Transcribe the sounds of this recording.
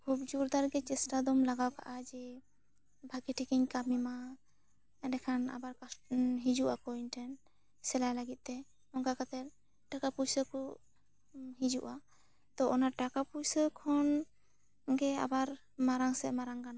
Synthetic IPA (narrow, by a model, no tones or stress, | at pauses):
kʰubd͡ʒuɾd̪aɾɡɛt͡ʃɛsʈad̪ɔmlaɡawka̰ʔad͡ʒɛ | bʱakiʈʰikiɲkamima | ɖɛkʰana̰baɾkasɦid͡ʒuʔakɔinʈʰɛn | sɛlajlaɡit̪̚ˀt̪ɛ | ɔŋkakat̪ɛɾ | ʈakapujsəkɔ | ɦid͡ʒuʔa | t̪ɔʔɔnaʈakapujsəkʰɔn | ɡɛa̰baɾ | maɾaŋsɛʔmaɾaŋkana